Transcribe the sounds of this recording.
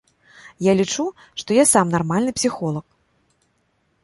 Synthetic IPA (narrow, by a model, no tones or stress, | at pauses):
jalʲit͡ʂu | ʂt̪ɔjasamnarmalʲnɨpsʲixɔlˠɐk